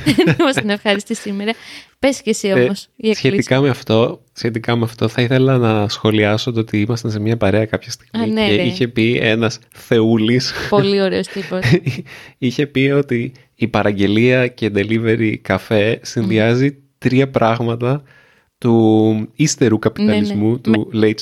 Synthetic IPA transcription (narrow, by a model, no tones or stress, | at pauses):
mɐst̪inefxɐɾist̪isimeɾɐpescesiomosiɐsçe̞ikɐmeɐft̪o̞ | sçe̞t̪ikɐmeɐft̪o̞θɐiθe̞lɐnɐsxo̞liɐsot̪eot̪iimɐst̪ɐse̞mɲɐpɐɾe̞ɐkɐpçɐst̪iɣmineiçe̞pie̞̰nɐsθe̞ulispollioɾeost̪ipo | içe̞pio̞t̪iː | pɐɾɐɲɟe̞liɐce̞id̪e̞live̞ɾikɐfe̞sinðiɐzi | t̪ɾiɐpɾʔɐɣmɐt̪ɐ | t̪uist̪e̞ɾukɐpit̪ɐlizmut̪ulej